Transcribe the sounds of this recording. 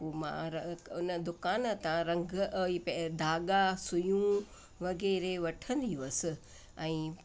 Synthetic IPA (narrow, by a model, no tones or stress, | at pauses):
omã̰ɾʊnəd̪ʊkaːnt̪ãɾɐ̃ŋɡʱipɛd̪ʱaːɠasʊjũ | ʋɐɣɛːɾeʋɐʈʰə̃nd̪iʋɐsɪ̆ | ɛ̃ː